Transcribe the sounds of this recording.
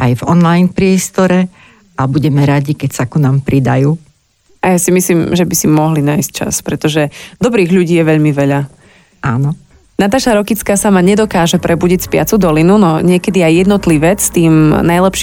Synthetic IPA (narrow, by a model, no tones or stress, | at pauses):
ʔajvɔnlajnpɾɪɛst̪ɔɾɛ | abuɟɛmɛɾaɟikɛcsakunaːmpɾid̪ajuː | ajasimisliːmʒɛbisimɔɦlinaːjsc̚t͡ʃa̰spɾɛt̪ɔʒɛd̪ɔbɾiːɣʎuɟiːjɛʋɛʎmiʋɛʎa | ʔaːnɔ | nat̪aːʃaɾɔkit͡skaːsamaɲɛd̪ɔkaːʒɛpɾʔɛbuɟicspɪa̰t͡sud̪ɔlinunɔɲɪɛkɛd̪iajːɛd̪nɔt̪liʋɛt͡sst̪iːmnajlɛpʃ